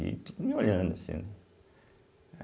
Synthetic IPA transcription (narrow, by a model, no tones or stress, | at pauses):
ḭt̪ud̪umioʎɐ̃d̪ɐsḭ̃nɛ